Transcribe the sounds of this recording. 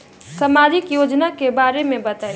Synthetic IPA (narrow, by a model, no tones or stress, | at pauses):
səmaːd͡ʒɪkjoːd͡ʒnakebaːɾemẽbət̪aːi